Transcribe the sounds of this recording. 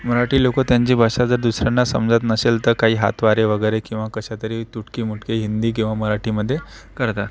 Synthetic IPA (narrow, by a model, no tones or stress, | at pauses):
məɾaʈiːlokət̪jãɲt͡ɕiːbʱaɕad͡zəɾd̪usɾjanːasə̰md͡zat̪nəselt̪əɾkaɦiːɦa̰t̪ʋaɾeʋəɡəjɾekĩw̃ʋakəɕat̪əɾiːt̪uʈkiːmuʈkeɦind̪iːk̬ĩw̃ʋaməɾaʈiːməd̪ʱːje | kəɾt̪a